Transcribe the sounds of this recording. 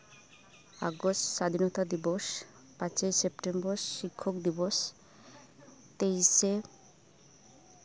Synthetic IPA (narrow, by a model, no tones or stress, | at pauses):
a̰ɡosʈʃad̪ʱinot̪ad̪iboʃ | pãt͡ɕesepʈemboɾʃikʰːokd̪iboʃ | t̪ejʃe